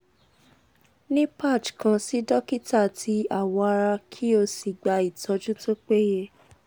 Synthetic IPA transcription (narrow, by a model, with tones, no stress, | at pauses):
nĩ˦pa˦˨t͡ʃkã˧si˨˦dɔ˦ki˦ta˦˨ti˨˦a˦˨wɔ˧a˧ɾa˧kʰi˦o˧si˨ɡ͡ba˧i˨tʰɔ˧d͡ʒũ˦to˦k͡pe˦je˦